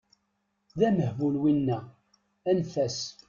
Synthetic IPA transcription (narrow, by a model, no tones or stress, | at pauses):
ðæməhvulwinːæ | ænfæs